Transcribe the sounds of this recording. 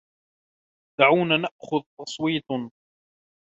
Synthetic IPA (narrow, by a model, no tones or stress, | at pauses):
d̪̥aʕuːnanaʔxʊðt̪ɑsˤwiːt̪ˤ